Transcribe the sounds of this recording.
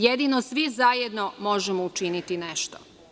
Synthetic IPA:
jed̪inosʋizajed̪nomo̞ʒemout͡ʃinit̪ineʃt̪o

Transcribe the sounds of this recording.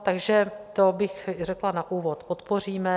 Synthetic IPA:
t̪aɡʒɛt̪obɪxrɛklanaʔuːvot̪pot̪por̝iːmɛ

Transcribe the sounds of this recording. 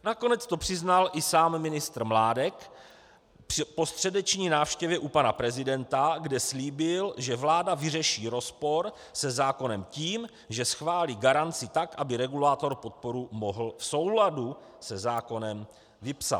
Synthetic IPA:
nako̞nɛt͡st̪o̞pr̥ɪznalʔɪsaːmːɪnɪst̪rmlaːdɛk | ppo̞st̪r̝̥ɛdɛt͡ʃɲiːnaːfʃcɛvjɛʔupanapɾɛzɪdɛnt̪aɡdɛsliːbɪlʒɛvlaːdavɪrɛʃiːɾo̞spo̞ɾ | sɛzaːko̞nɛmciːm | ʒɛsxvaːliːɡaɾant͡sɪt̪akʔabɪɾɛɡulaːt̪o̞ɾpo̞t̪̚po̞ɾumo̞ɦl̩fso̞wladu | sɛzaːko̞nɛm | vɪpsa̰t̪

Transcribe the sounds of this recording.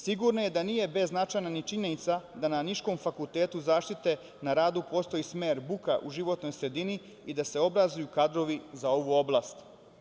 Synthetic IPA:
siɡuɾnoje̞d̪aniːje̞be̞znat͡ʃajnanit͡ʃiɲenit̪sad̪ananiʃko̞mfakulˠt̪eːt̪uzaːʃt̪it̪e̞ | naɾaːd̪upo̞ːst̪o̞jismeːɾbukaʔuʒiʋo̞t̪no̞jsɾe̞d̪ini | id̪ase̞o̞bɾazujukad̪ɾo̞ʋizao̞ʋuo̞blˠaːst̪

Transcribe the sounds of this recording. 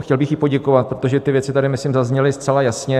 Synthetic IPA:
xcɛlbɪxjɪpo̞ɟɛkovat̪̚pɾot̪oʒɛt̪ɪvjɛt͡sɪt̪adɪmɪslɪmzazɲɛlɪst̪t͡sɛlajasɲɛ

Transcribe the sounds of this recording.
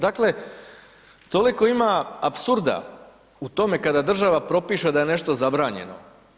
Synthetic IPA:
d̪akle̞ | t̪o̞liko̞imaapsuɾd̪a̰ | ut̪o̞me̞kad̪ad̪r̩ʒaʋapɾo̞piːʃed̪aje̞ne̞ʃt̪o̞zabɾaːɲe̞̰no̞̰

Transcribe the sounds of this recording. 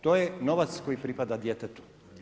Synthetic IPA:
t̪ojenoʋat̪skojipɾipad̪ad̪jet̪et̪u̥

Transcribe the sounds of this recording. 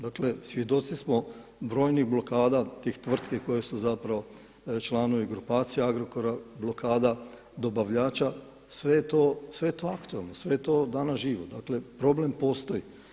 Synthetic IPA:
d̪akle̞sʋʲje̞d̪o̞t̪sismobɾo̞ːjniɣblo̞kaːd̪at̪ixt̪ʋr̩t̪keko̞jesuzapɾaʋo̞ | t͡ʃlˠano̞ʋiɡɾupaːt̪sijeaɡɾokoɾablokaːd̪a | d̪o̞baʋʎaːt͡ʃa | sʋe̞jet̪osʋe̞et̪oakt̪uelnosʋet̪o̞d̪anaʒiːʋod̪akle̞pɾo̞ble̞mpo̞ːst̪o̞ji

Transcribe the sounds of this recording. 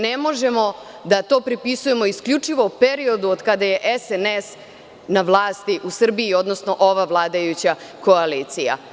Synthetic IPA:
nemo̞ʒe̞mo̞ | d̪at̪o̞ːpɾipisuje̞mo̞iskʎut͡ʂiʋo̞upeɾio̞d̪uod̪kad̪aje̞ʔesenes | naʋlˠaːst̪iʔusr̩biio̞d̪nosno̞ʔo̞ʋavlˠaːd̪ajut͡ɕako̞aliːt̪sija̰

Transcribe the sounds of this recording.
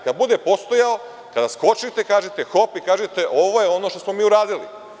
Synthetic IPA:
kad̪bud̪e̞po̞st̪o̞jao | kad̪asko̞t͡ʃit̪e̞kaːʒet̪exo̞pikaːʒet̪e̞ʔo̞ʋojeo̞no̞ʃt̪osmo̞miːuɾaːd̪ilḭ

